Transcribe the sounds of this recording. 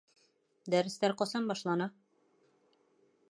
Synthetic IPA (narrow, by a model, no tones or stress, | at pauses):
d̪æɾɘ̆st̪æɾqɒsɑmbɒʃlˠɑnɑ